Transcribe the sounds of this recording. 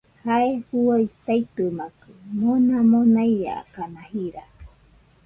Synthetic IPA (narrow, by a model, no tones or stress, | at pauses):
haehuajt̪ajt̪ɨmakɯmonamonaija̰kanahiɾa